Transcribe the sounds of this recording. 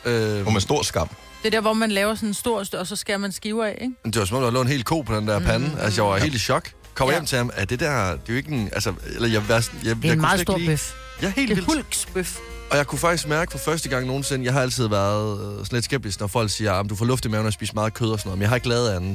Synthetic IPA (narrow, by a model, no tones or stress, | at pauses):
øɒmesd̥o̝ɐ̰sɡ̥ɑ̈m̰ | d̥e̝d̥æɐʋɒmænlɛːʊɐsɔ̽nensd̥o̝ɐ̰sɒ̽sɒ̽sɡ̥æɐmænsɡ̥iːʊɛeɡ̥md̥e̝wɑsɒmɒmd̥uhɑlɛːʊ̰nhe̝̰ːlkʰo̝̰ːpʰɒ̽d̥end̥æɐpʰænəʔælsəjɑɑ̈he̝̰ld̥iɕɒ̽ɡ̥ | kʰɒ̽mɐjem̰t͡sʰe̝hemæd̥e̝d̥æɐ̰d̥e̝joe̝ɡ̥əælsəelɐjɑæɐsnjjɑkʰuðɡdo̰iøf | jæhe̝̰ːlilulɡ̥sb̥øf | ɒ̽jɑ̈ɪkʰufɑ̈ɡ̥d̥isɡ̥mæɐɡ̥əfɒ̽fɶɐsd̥əɡ̥ɑ̈ŋ̰no̝ːn̩se̝nəjɑ̈ɪɦɑ̈æl̰t͡sʰið̞̰ˠʋæɐðˠsɒn̩le̝dsɡ̥eb̥̚d̥isɡ̥nɒfɒ̽l̰ɡ̥siːɐɑməd̥ufɒ̰ːlɔ̽fd̥imɛːʊn̩ɒspḭːsmɑ̈ːð̩ˠkʰøːð̞ˠɒsɒnɔːð̩ˠmjɪhɑ̈e̝ɡ̥lɛːð̩ˠænn̩ˠ